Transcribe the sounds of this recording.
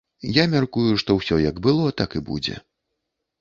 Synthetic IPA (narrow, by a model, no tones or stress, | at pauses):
jamʲarkujuʂt̪ɔwsʲɔjɐɡbɨlˠɔt̪akɨbṵd͡zʲɛ̰